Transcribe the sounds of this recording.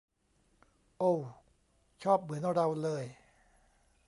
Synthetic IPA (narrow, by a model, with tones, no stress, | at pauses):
ʔo˧˩w | t͡ɕʰɔː˥˩p̚mɯ˩˦ən˧ɾa˧wlɤː˧j